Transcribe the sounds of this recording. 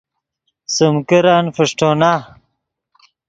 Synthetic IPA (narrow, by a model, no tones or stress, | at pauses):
sumkiɾaːnfiʂʈoːna